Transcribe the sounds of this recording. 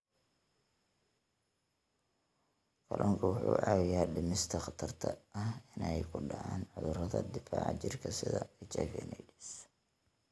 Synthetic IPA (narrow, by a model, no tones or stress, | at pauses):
kʰɐlʔɔːŋkʰɐwʊħṵːʕɑːwɪjaːɖɪmɪst̪ʰɐχɑt̪ʰɐrt̪ʰɐʔɐhɪnɛjkʰʊɖɐʕaːnʕʊðʊɾɐðɐd̪ɪfaːʕt͡ʃɪrkʰɐsɪðɐɪt͡ʃɛfɛnɛɖis